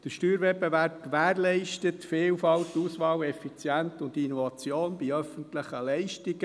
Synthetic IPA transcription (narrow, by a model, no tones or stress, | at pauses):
d̥əʃtyːɾʋɛpːevæɾpkʋæːɾlɛɪʃtətfeːlfɑlt̪ːuːsʋɑːlɛfit͡sjæntʊndinɔvɑt͡sjoːnbiœfənt̪ləχəlɛɪʃtiɡ̥ə